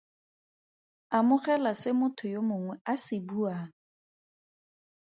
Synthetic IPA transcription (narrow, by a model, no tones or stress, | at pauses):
amʊχɛlasɪmʊtʰʊjomʊŋwɛasɪbuaːŋ̩